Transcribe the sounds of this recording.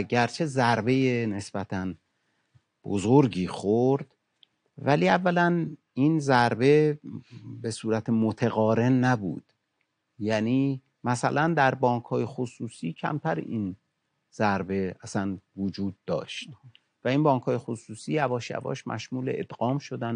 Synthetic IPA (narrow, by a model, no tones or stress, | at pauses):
ɟæɾt͡ʃʰe̞zæɾbe̞jene̞sbæt̪ʰæn | b̥o̰zoɾɟiːxoɾd̪̥ | væliːævːælæn | inzæɾbe̞ | be̞suːɾæt̪ʰemot̪ʰeɣɒːɾe̞nːæbṵːd̪̥ | jæniː | mæsæ̰lænd̪æɾbɒːŋkʰhɒːje̞xosuːsiːcʰæ̰mt̪ʰæɾ̰in | z̥æɾbe̞æsænvod͡ʒuːd̪̚ːɒ̰ːʃt̪̚ | væiːnbɒːŋkʰhɒːje̞xosuːsiːævɒːʃjæ̰vɒ̰ʃmʔæ̰ʃmuːlḛʔed̪̥ɣɒːmʃo̞d̪æn